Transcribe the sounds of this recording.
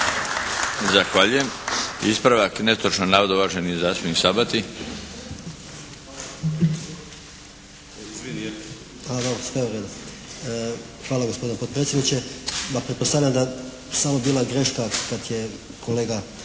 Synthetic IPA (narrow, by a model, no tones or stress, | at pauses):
zaxʋaːʎujemispɾaʋaknest̪ɾot͡ʃnonaːʋod̪uʋaʒenizasuisabat̪i | ad̪obɾsʋeoɾed̪o | xʋaːlˠaɡospod̪inepod̪̚pɾet̪sʲjd̪nit͡ɕemapɾet̪po̞st̪aʋlʎamd̪a | samobiːlˠaɡɾe̞ʃkakat̪je̞ | koleːɡa